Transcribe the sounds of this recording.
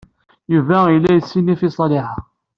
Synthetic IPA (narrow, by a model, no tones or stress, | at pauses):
juvæilːæjəsːinifisˤɑliħɑ